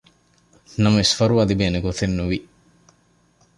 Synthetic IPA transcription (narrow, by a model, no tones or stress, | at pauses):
nɐmɐʋisfɐɾuʋɐd̪ibeːneɡot̪ʰenːuʋi